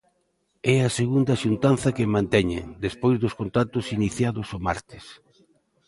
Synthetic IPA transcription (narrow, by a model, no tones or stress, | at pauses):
ɛɐseɣund̪ɐʃunt̪anθɐkemãnt̪ɛɲḛŋd̪espojzðʊskont̪at̪ʊsiniθjaðʊsoma̰ɾt̪ɪ̥s